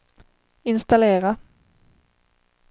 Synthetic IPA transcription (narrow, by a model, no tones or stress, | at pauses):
ɪnst̪aleːɾa